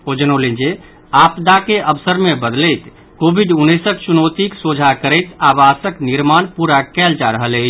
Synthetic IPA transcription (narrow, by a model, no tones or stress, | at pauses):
od͡ʒənolẽnd͡ʒe | apd̪akeʔəbsəɾmebəd̪ləjt̪ | kobʱiɖunːəsəkt͡ʃunot̪iksod͡ʒʱakəɾəjt̪abasəkniɾmanpuɾakɛld͡ʒaɾəɦələɪt͡ʃʰ